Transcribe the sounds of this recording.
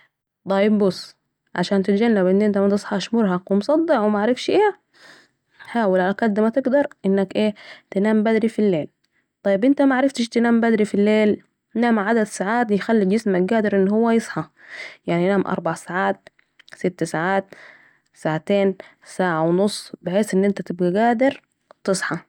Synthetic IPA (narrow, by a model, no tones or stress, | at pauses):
t̪ˤɑjɪbbʊsː | ʕa̰ʃaːnt̪ɪt̪d͡ʒanːabʔɪnːʔɪnt̪̬amat̪ɨsˤħɑʃmʊɾhɑwɪmsˤɑd̪ˤːɪʕwɪmaʕaɾɪfʃʔeː | ħaːwɪlʕalakæd̪ːmat̪ɪɡd̪ɑɾˤʔɪnːakʔeːt̪ɪnaːmbæd̪ɾifilːeːl | t̪ˤɑjːɪbʔɪnt̪amaʕaɾɪft̪ʃt̪ɪnaːmbæd̪ɾifilːeːl | naːmʕad̪ad̪saʕaːt̪jxalːid͡ʒɪsmak̚ɡæːd̪ɪɾʔɪnːɦʊwːæjɨsˤħɑjaʕnijnaːmʔɑ̰ɾˤbɑʕsaʕaːt̪̚ | sɪt̪ːsaʕaːt̪ | saʕat̪eːn | saːʕawnosˤːbɪħeːsʔɪnːʔɪnt̪æt̪ɪb̚ɡæɡæːd̪ɪɾ | t̪ɨsˤħɑ